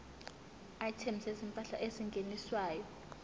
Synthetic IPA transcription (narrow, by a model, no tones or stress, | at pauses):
aitʰemisezimpʼaɬa̰ʔeziŋɡʱeniswaːjɔ